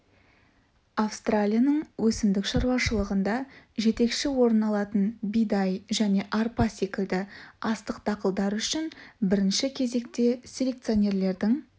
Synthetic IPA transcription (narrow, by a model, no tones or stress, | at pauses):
afst̪ralʲijanəɴwʔɵsɪmd̪ɪkʃɑɾwɑʃəlˠəʁənd̪ɑʒe̞t̪e̞kʃɪwo̞ɾənɑlˠɑt̪ənbijd̪ɑjʒæne̞ʔɑɾpɑse̞kʲɪld̪ɪɑst̪əqt̪ʰɑqəlˠd̪ɑɾʏʃɪnbɪɾɪnʃɪkʲʰe̞ze̞k̚t̪e̞sʲe̞lʲe̞k̚t̪sɨjo̞nʲe̞ɾle̞ɾd̪ɪŋ